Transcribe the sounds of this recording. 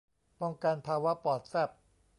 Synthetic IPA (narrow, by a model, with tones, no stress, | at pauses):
pɔ˧ŋka˧npʰaː˧wa˦˥pɔː˨˩t̪̚sɛ˥˩p̚